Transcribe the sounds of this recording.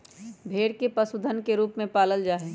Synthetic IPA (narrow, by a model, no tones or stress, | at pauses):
bʱeːɽkepɐsʊd̪ʱənkeɾuːpmẽpaːləld͡ʒaːɦeː